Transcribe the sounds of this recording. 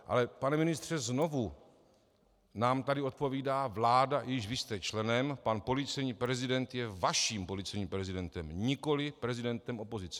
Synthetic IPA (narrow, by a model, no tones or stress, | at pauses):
ʔa̰lɛpanɛmɪnɪst̪r̝̥ɛzno̞vu | naːmt̪adɪo̞t̪̚po̞viːdaːvlaːdaʔjɪʃvɪst̪ɛt͡ʃlɛnɛmpanpo̞lit͡sɛjɲiːpɾɛzɪdɛnt̪jɛvaʃiːmpo̞lit͡sɛjɲiːmpɾɛzɪdɛnt̪ɛmɲɪko̞lɪpɾɛzɪdɛnt̪ɛmʔo̞po̞zɪt͡sɛ̥